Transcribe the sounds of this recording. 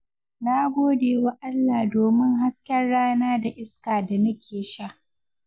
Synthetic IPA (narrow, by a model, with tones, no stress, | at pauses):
naː˦ɡʷoː˦deː˨wa˦ʔa˦lːaː˨doː˨mɪ˦ŋɦa˦skʲɛ˦rːaː˦naː˦da˨ʔɪ˦skaː˨da˨nɐ˦kʲʰeː˨ʃa˦˨ʔ